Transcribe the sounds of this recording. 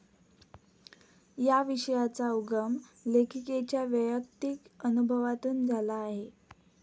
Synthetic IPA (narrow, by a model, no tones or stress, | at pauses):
jaʋiɕəjat͡sauɡəmlekʰiket͡ɕjaʋjəjək̚t̪ikənubʱəʋat̪uːnd͡zʱalaːɦe